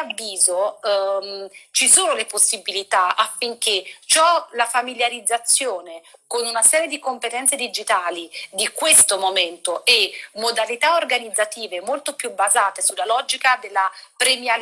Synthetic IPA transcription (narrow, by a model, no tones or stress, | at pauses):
avːiːzo | t͡ʃisoːnoleposːibilit̪aafːiŋk̟et͡ʃɔlafamiljaɾid̪zːat̪sːjoːnekonunasɛːɾjed̪ikompet̪ɛnt̪sed̪id͡ʒit̪aːlid̪ikwest̪omoment̪oʔemod̪alit̪aorɡanid̪zːat̪iːvemolt̪opjubazaːt̪esulːalɔːd͡ʒikad̪elːapɾemja